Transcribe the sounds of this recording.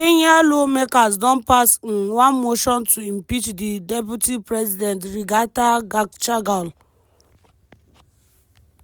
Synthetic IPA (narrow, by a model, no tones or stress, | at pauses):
iɲealomekazdɔn̩pasn̩wʷanmoʃɔntʰuim̩pit͡ʃdidep̬jutipɾɛzidɛntɾiɡataɡakt͡ʃaɡal